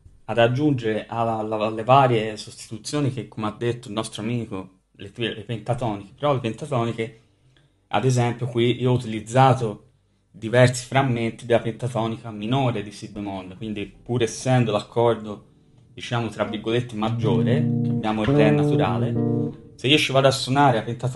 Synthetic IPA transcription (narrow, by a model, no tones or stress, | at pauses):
ad̪ad͡ʒːund͡ʒeɾeʔalalːevaːɾjesost̪i̥t̪ut̪sːjoːnik̟ekːomead̪ːet̪ːoilnɔst̪ɾoamiːko | lepilepent̪at̪ɔːnike̥peɾɔlːepent̪at̪ɔːnike | a̰d̪ezɛmpjokwiʔioɔut̪ilid̪zːaːt̪o | d̪ivɛrsi̥fɾamːent̪id̪elːapent̪at̪ɔːnikaminoːɾed̪isibemoɔnd̪ekwind̪ipuɾeːsːɛnd̪olakʰːɔrd̪o | d̪̥it͡ʃaːmot̪ɾavːiɾɡolet̪ːemad͡ʒːoːɾekeabːjaːmoeɾd̪ɛnːat̪uɾa̰ːleseiːot͡ʃivaːd̪oasːonaːɾeapent̪at̪